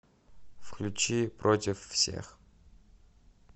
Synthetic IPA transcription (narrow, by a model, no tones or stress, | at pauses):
fklʲut͡ʃiprʔotʲɪfːsʲḛx